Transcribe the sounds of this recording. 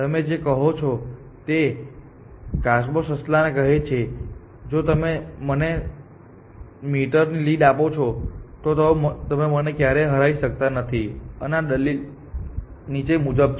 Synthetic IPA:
t̪əmed͡ʒekəɦot͡ʃʰo | t̪e | kaʃbosəslanekəɦet͡ʃʰe | d͡ʒot̪əmeməne | miʈəɾniliɖapot͡ʃʰot̪ot̪əmt̪əmemənekjaɾeɦəɾaiʃək̚t̪anət̪ʰiənaɗəlil | nit͡ʃemud͡ʒəb̚t͡ʃʰ

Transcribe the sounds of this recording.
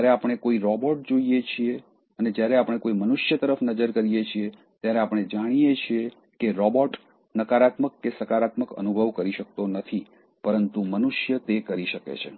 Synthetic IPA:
t̪aɾeapəɳ̃ekoiɾɔbɔʈ̚d͡ʒoijet͡ʃʰie | əned͡ʒjaɾeapəɳ̃ekoimənuʃjət̪əɾəfnəd͡ʒəɾkəɾijet͡ʃʰie | t̪jaɾeapəɳ̃ed͡ʒaɽ̃ijet͡ʃʰie | keɾɔbɔʈ | nəkaɾat̪məkːesəkaɾat̪məkə̰nubʱəʋkəɾiʃək̚t̪onət̪ʰi | pəɾənt̪umənuʃjət̪ekəɾiʃəkḛt͡ʃʰe

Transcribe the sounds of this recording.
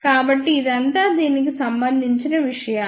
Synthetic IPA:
kaːbɐʈːiːd̪ɐnt̪aːd̪iːnik̬isɐmbɐnd̪ʱiɲt͡ʃinɐʋiʂɐjɐ

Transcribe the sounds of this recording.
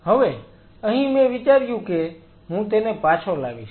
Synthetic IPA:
ɦəʋe | əɦĩmẽʋit͡ʃaɾjũke | ɦũt̪enepat͡ʃʰolaɡiʃ

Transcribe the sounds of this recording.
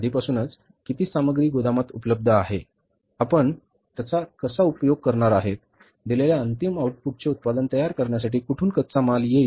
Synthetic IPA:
d̪ʱipasuːnət͡s | kit̪iːsaməɡɾiːɡod̪amat̪upələb̚d̪ʱəaɦe | apəɳ | t̪jat͡sakəsaupjoɡ̚kəɾɳaɾaɦet̪̚ | d̪ileljaənt̪imauʈ̚puʈ̚t͡seut̪̚pad̪ənt̪əjaɾkəɾɳjas̬aʈiːkuʈʰuːnkət̪t͡samalje

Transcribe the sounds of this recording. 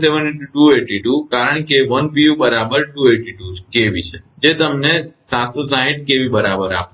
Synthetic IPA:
seʋəneʈuʈueʈiʈukaɾəɳ̃keʋənpiubəɾabəɾʈueʈiʈukeʋit͡ʃʰed͡ʒet̪əmnesãt̪ʰusãɦiʈ̚keʋibəɾabəɾa̰p

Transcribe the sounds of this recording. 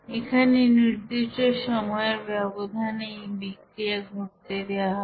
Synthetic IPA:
ekʰaneniɾd̪iʃʈeʃɔmɔeeɾbɛbod̪ʱanejbikɾiaɡʱuɾt̪ed̪eaɦɔ

